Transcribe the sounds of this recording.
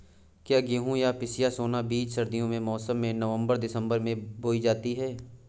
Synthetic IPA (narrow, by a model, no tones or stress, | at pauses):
kjaːɡeɦũjapɪsijasoːnabiːt͡ʃsɐɾd̪ijõmẽmɔːsəmːẽnəʋə̃mbəɾd̪ɪsə̃mbəɾmẽboːid͡ʒaːt̪iɦɛː